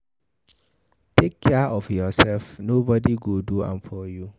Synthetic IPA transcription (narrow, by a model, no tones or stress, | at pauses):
tʰekʰːɛʔɔfjɔsɛlfnobɔdiɡoduã̰mpʰɔju